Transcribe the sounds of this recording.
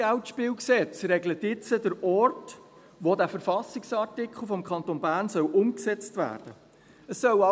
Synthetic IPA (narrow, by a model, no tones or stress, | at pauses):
æʊtʃpɪːwksɛt͡sɾɛɡlətɪt͡sədəɾɔrt | ʋodæfəɾfɑsɪksɑɾtɪkχl̩ˠfɔmkʰɑnt̪onbæːɾnsœwʔʊmksɛt͡stʋæ̰ːrd̥ə | əsːœɑ